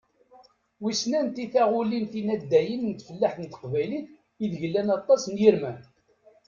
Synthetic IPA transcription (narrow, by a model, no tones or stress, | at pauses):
wisnænt̪iθaʁʊlinθinæd̪ːæjənnt̪fəlːaħθənt̪ə̥qvæjliθ | iðʝəlːænɑt̪ˤːɑsnjiɾmæn